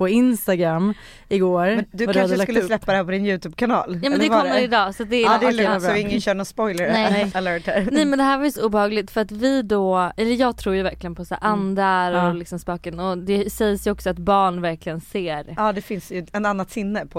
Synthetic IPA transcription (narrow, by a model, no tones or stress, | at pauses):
pʰɔɪnst̪aɡɾamː | ɪɡoːɾmɛd̪ɵvad̪aʉhad̪laklːslɛpːad̪ɛhæɾpɔd̪ɪnjʉ̟ːt̪ʰʉːb̚kʰanɑ̰ːljɑːmɛnd̪ɛkʰɔmːəɾɪd̪ɑːsat̪̚d̪ɛdɪɪŋːənɕœːɳɔnspɔjləɾnɛaləːʈhæɾnɛjmɛnd̪ɛhæːɾvajsɔuːbɛhɑːɡlɪt̪fœɾat̪vɪd̪ɔɛlːəjɑːɡ̚t̪ʰɾuːjɵvæɾklɪɡənpʰɔsæ̰ːɾʔand̪ɾaɾɔlɪksɔmspɑːkənɔd̪ɛsɛjsjɵɔksɔat̪bɑːɳvæɾklɪɡənseːɾɑːd̪ɛfɪnsjɵɛnanːat̪sɪnːəpʰɔ